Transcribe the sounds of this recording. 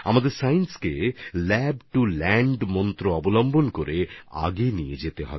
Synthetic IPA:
a̰mad̪eɾsajnskelɛbʈulɛɳɖmɔnt̪ɾoɔbolɔmbonkoɾea̰ɡenijḛd͡ʑet̪eɦɔ̰be

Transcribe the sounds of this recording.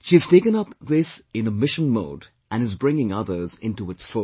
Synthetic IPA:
ʃiɨz̥teɪkɨ̃nʌpðɪsɨ̃nəmɪʃə̃nmo̰ːd | ʔɨ̃nɨzbɹɪ̃ŋɪ̃ŋʌðə˞zɪ̰̃ntuɨtsfʊ

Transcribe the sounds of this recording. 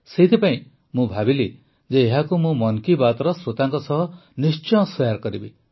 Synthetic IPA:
seɦit̪ʰipaĩ | mũbʱabili | d͡ʒeːɦakumũmɔnkibat̪ɔɾɔsɾot̪aŋkɔsɔɦɔnist͡ʃɔ̃swɔjaɾkɔɾibi

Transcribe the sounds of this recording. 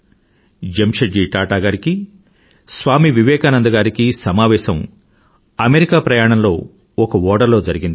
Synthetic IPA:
d͡ʒemʃɐd͡ʒiːʈaːʈaːɡaːɾiki | sʋaːmiʋiʋɛːkaːnɐnd̪ɐɡaːɾikisɐmaːʋɛːʃɐm | ɐmeɾikaːpɾɐjaːɳ̃ɐmlo̞ː | ɔkɐɔːɖɐɾlo̞ːd͡ʒɐɾiɡind̪i

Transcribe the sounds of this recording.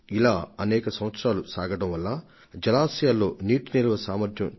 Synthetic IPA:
ilaːɐnɛːkɐsɐmʋɐt̪sɾaːlusaːɡɐɽɐmʋɐlːa | d͡ʒɐlaːsijalːo̞ːniːʈunilɐʋɐsaːmɐɾd̪ʰʱjɐm

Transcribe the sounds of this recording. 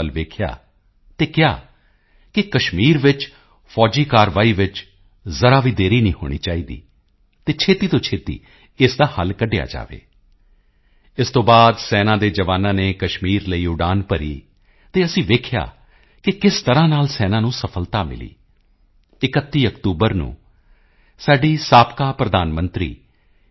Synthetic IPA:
əlʋeːkʰja̰ː | t̪eːkɪja̰ː | kɪkəʃmiːɾʋɪt͡ʃ | pʰɔːd͡ʒiːkaːɾʋaːiːʋɪt͡ʃ | zəɾaːʋiːd̪eːɾiːnĩːɦo̰ːɽ̃ḭːt͡ʃaːiːd̪ḭː | t̪eːt͡ʃʰeːt̪iːt̪õːt͡ʃʰeːt̪ḭː | ɪsd̪aːhəlkəɖeja̰ːd͡ʒa̰ːʋḛː | ɪst̪õːbaːd̪sɛːnãːd̪eːd͡ʒəʋaːnãːneːkəʃmiːɾləiːʊɖaːnpəɾḭː | t̪eːəsĩːʋeːkʰɪja̰ː | kɪkɪst̪əɾãːnaːlsɛːnãːnũːsəpʰəlt̪aːmɪ̰lḭː | ɪkət̪ːiːəkt̪uːbəɾnṵ̃ː | saːɖiːsaːpkaːpɾəd̪aːnmə̃nt̪ɾḭː

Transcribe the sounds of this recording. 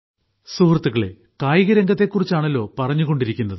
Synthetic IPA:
suːrɐt̪ːuɣɐɭe̞̰ | kaːjiɣɐɾɐŋɡɐt̪ːe̞kːurit͡ɕːaːɳɐlːo̞ːpɐrɐɲːuɣo̞ɳɖiɾikʲːunːɐðɨ

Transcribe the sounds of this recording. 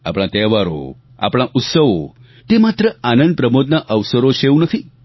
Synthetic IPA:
a̰pɽ̃ãt̪ɛʋaɾo̰ | a̰pɽ̃ãʔʊt̪səʋo | t̪emat̪ɾəanə̃nd̪̚pɾəmod̪naʔəʋsəɾoʃeũnət̪ʰi

